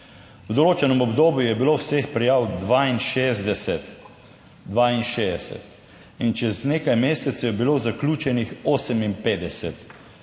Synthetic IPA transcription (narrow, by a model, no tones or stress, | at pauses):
wd̪ɔloːt͡ʃɛnɔmɔbd̪oːbjujɛbiloːwsexpɾɛjaːwd̪ʋaːinʃeːzd̪ɛsɛt̪ | d̪ʋaːinʃeːd̪ɛsɛ̰t̪ | int͡ʃɛzneːkajmeːsɛt̪sɛjɛbiloːzaklʲuːt͡ʃɛnixoːsəminpeːd̪ɛsɛt̪